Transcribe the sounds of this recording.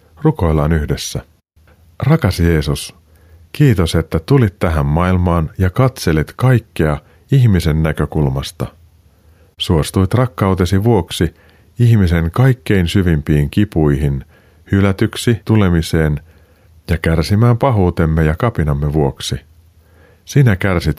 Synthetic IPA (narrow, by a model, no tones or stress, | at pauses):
ruko̞jlɑːnyhde̞sːæ | rɑkɑsje̞ːsus | kiːt̪o̞se̞t̪ːæt̪ulit̪tæɦæmːɑilmɑːnjɑkɑt̪se̞lit̪kɑjkːe̞ɑ | içmise̞nːækø̞kulmɑst̪ɑ̰ | suo̞st̪uit̪rɑkːɑut̪e̞siʋuo̞ksi | içmise̞ŋkɑjkːe̞insyʋimpiːŋkipujɦin | hylæt̪yksit̪ule̞mise̞ːn | jɑkærsimæːmpɑɦuːt̪e̞mːe̞jɑkɑpinɑmːe̞ʋuo̞ksi | sinækærsit̪